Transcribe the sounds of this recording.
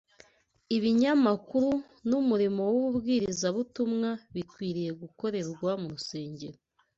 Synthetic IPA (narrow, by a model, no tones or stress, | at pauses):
iβiɲamakuɾu | numuɾimo̞wuβubɡiːɾizaβutumŋaβikwiːɾije̞ɡuko̞ɾe̞ɾɡwamuɾuse̞ːɲɟe̞ɾo